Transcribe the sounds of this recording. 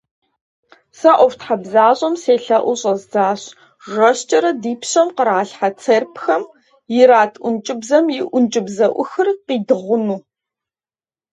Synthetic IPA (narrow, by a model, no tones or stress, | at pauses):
sɐʔʷɔftħabzaːɕʼɐmseːɬɐʔʷʊɕʼɐzd͡zaːɕ | ʒʷɐɕt͡ʃʼɐɾɐdiːpʰɕɐmqəɾaːɬħat͡sʰerpxɐm | jɪɾaːtʰʔʷʊnt͡ʃʼɪbzɐmjɪʔʷʊnt͡ʃʼɪbzɐʔʷʊxɨrqiːdɨʁʷʊnuː